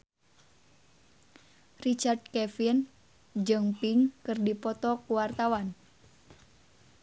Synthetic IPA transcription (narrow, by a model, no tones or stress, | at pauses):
rit͡ʃard̚kɛfin | d͡ʒɨŋpiŋkɨrdipɔt̪ɔkuwart̪awan